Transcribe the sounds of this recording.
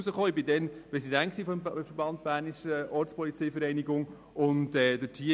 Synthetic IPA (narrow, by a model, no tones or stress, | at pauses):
uzəχoːɪbɪdɛnprɛsidæŋksiːfɔmfəɾbɑnt̪̚bæːɾniʃəɔɾt͡sspɔlit͡sɛjfəɾɛɪniɡʊŋ | ʊntɛːd̪ətʰi